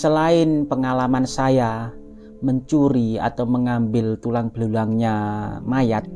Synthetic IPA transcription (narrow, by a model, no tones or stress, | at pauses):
səlaɪnpəŋalamansaja | məɲt͡ʃuɾia̰t̪awməŋambɪlt̪ulaŋb̥lulaŋɲamajat̪̚